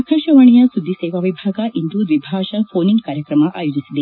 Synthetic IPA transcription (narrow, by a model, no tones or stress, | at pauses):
ɐkʰɐʃɐʋɐɳijɐsud̪ʱːisɛːʋɐʋibʱaːɡɐʔind̪ud̪ʋibʱaːʃɐpʰoːniŋkaːɾjɐkɾɐmɐʔa̰ːjoːd͡ʒisid̪e